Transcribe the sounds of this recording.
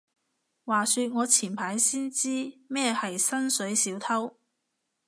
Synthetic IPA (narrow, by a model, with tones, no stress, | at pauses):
waː˨˩syː˧t̚ŋɔː˨˧t͡sʰiː˨˩npʰaː˨˥jsiː˥nt͡siː˥mɛː˥hɐ˨jsɐ˥nsɵ˨˥ɥsiː˨˥wt̪ʰɐ˥w